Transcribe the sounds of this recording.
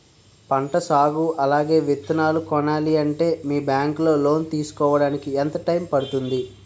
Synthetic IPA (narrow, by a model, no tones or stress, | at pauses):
pɐɳʈɐsaːɡuʔɐlaːɡe̞ːʋet̪ːunaːlukɔɳaːliɐɳʈe̞ːmiːbjaːŋklo̞ːlo̞ːnt̪iːsu̥kɔːʋɐɽaːnikiɛnt̪ɐʈɐjmpɐɽut̪und̪i